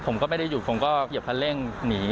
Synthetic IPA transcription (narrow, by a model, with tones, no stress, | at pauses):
pʰo˨˩˦mkɔː˥˩ma˥˩da˥˩ju˨˩o˩˦mkɔː˥˩˨p̚ʰa˧nle˥˩ŋniː˩˦